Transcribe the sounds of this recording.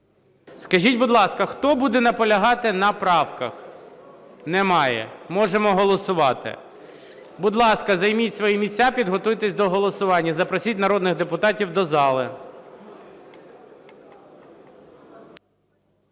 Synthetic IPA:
skɐʒʲitʲbʊd̪lˠɑskɐxt̪ɔbud̪ɛnɐpɔlʲɐɦɑt̪ɪnɐpɾɑwkɐx | nɛmɑjɛ̰mɔʒemɔɦɔlˠɔsʊʋɑt̪ɪ̰ | bʊd̪lˠɑskɐzɐjmʲitʲsʋɔjimʲisʲt͡sʲːapʲid̪ɦɔt̪ujt̪ɛsʲd̪ɔɦɔlˠɔsʊʋɑnʲːɐzɐpɾɔsʲitʲnɐɾɔd̪nɪɣd̪epʊt̪ɑtʲiwd̪ɔzɑlˠɪ

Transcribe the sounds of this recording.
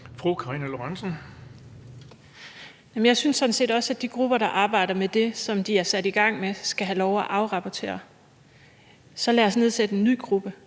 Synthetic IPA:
fʁukʰɑ̈iːnæloɑnsən̩ | jæmnjɑ̈ɪsynsːɒ̽d̥n̩se̝̰ːdɒ̽sæd̥iɡ̥ʁub̥ɐɾ̥ɑ̈ʔɑ̈ːb̥ɑ̈ɪ̰ɾ̥ɐmed̥e̝sɒ̽md̥iæɐsæd̥iɡ̥ɑ̈ŋ̰mesɡ̥æɦælɒʊæʔɑ̈ʊʁɑ̈pʰɒt͡sʰe̝̰ːɐ | sɒ̽læːɐsne̝ð̞̰ˠsed̥əe̝nːyːɡ̥ʁub̥ə

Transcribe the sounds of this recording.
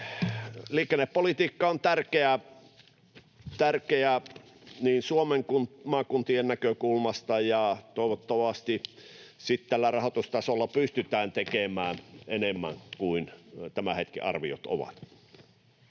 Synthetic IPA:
liːkenːepːolit̪iːkːɑont̪ærkeæ | t̪ærkeæ | niːnsuomeŋkunmɑːkunt̪iennækøkulmɑst̪ɑjɑt̪oˑeʋot̪ːoʋɑst̪isit̪t̪ælːærɑhot̪ust̪ɑsolːɑpyst̪yt̪æːnt̪ekemæːnenemːæ̰ŋkuint̪æmæhet̪kḭɑ̰rʋḭo̰t̪o̰ʋɑ̰t̪

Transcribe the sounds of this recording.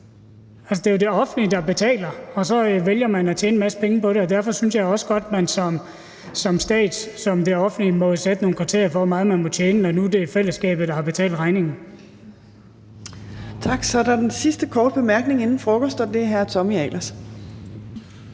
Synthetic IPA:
ælsəd̥e̝jod̥e̝ɒ̽fn̩dlid̥ɑ̈b̥e̝t͡sʰɛ̰ːlɐɒ̽sɒ̽ʋeljɐmænæt͡ɕʰjeːnəmæsə̥pʰeŋəpɒ̽ɾe̝ɒ̽d̥æɐfɒ̽synsjɑ̈ɪɒ̽səɡ̥ɒ̽d̥mænsɒ̽m | sɒ̽msd̥ɛ̰ːd̥sɒ̽md̥eɒ̽fn̩limɒ̽sed̥əno̝ːn̩kʰʋɑ̈t͡sʰe̝̰ɐɐfɒmɑ̈ːð̩ˠmænmɒ̽t͡ɕʰjeːnəɒnud̥e̝æfel̰əsɡ̥ɛ̰ːb̥ð̩ˠd̥ɑ̈hɑ̈b̥e̝t͡sʰɛ̰ːld̥ʁɑ̈ɪne̝ŋn̩ | t͡sʰɑ̈ɡ̥sɒɐdɑd̥ensisd̥əkʰɒːd̥̚b̥e̝mæɐɡ̥ne̝ŋe̝nn̩fʁoɡ̥osd̥ɒ̽d̥e̝æɦæɐt͡sʰɒ̽miɛlɐs

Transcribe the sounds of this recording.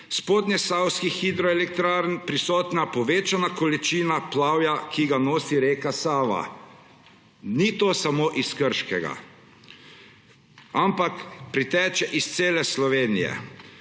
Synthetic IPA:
spoːd̪njɛsawskixid̪ɾɔɛlɛk̚t̪ɾaːɾnpɾisɔːt̪napɔʋeːt͡ʃanakɔlit͡ʃiːnaplaːwjakʰiɡanoːsiɾeːkasaːʋa̰ | nit̪oːsamoːʔiskəɾʃkɛɡa̰ | ampakpɾit̪ɛːt͡ʃɛʔist̪seːlɛslɔʋeːnijɛ̰

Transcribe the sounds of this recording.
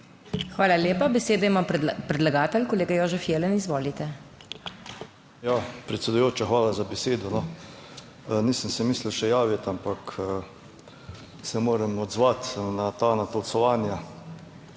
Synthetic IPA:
xʋaːlaleːpabɛseːd̪aimampɾɛd̪laɡaːt̪ɛlkoleːɡajoːʒɛfjeːlɛnizʋoːlit̪ɛ | japɾɛt̪sɛd̪ujoːt͡ʃaxʋaːlazabɛseːd̪ɔnɔ | nisənsɛmiːsliwʃɛjaːʋjɛt̪ampakː | sɛmoːɾɛmɔd̪zʋat̪nat̪anat̪ɔlsɔʋaːnja

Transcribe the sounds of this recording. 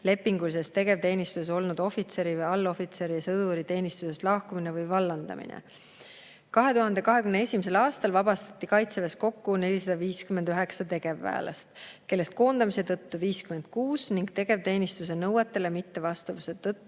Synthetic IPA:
le̞pːiŋɡulise̞st̪e̞ɡe̞vt̪e̞ːnist̪use̞so̞lnud̪̥o̞fit̪se̞ɾivɯjɑlːo̞fit̪se̞ɾijɑsɤd̪̥uɾit̪e̞ːnist̪use̞st̪lɑhkumine̞vɯjvɑlːɑnd̪̥ɑ̰mḭnʔḛ | kɑɦe̞t̪uɦɑnd̪e̞kɑɦe̞kymnee̞sʲimise̞lɑːst̪ɑlvɑb̥ɑst̪ɑ̥t̪ːˑikɑjt̪sevesko̞kːune̞lʲisɑd̪̥ɑviːskyme̞nd̪̥yɦe̞ksɑt̪e̞ɡ̥e̞vːæ̰ːlɑ̰st̪ke̞lːest̪̚ko̞ːnd̪̥ɑmise̞t̪ɤt̪ːuviːskyme̞nd̪̥̚kuːsniŋɡ̥t̪e̞ɡ̥e̞vt̪e̞ːnist̪use̞nɤwet̪ːˑe̞le̞mit̪ːe̞vɑst̪uvuset̪ɤt̪ːu

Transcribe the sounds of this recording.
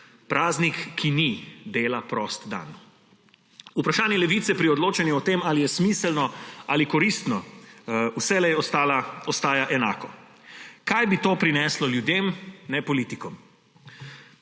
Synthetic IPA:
pɾʔaːznikːinid̪eːlapɾɔst̪d̪a̰n | upɾaʃaːnjɛlɛʋiːt̪sɛpɾiɔd̪loːt͡ʃɛnjuɔt̪eːmaːlijɛsmislnɔalikɔɾist̪nɔ | usɛlɛjɛɔst̪aːlaɔst̪aːjaʔɛna̰ːkɔ | kajbit̪oːpɾinɛslɔljud̪eːmnɛpɔliːt̪ikɔm

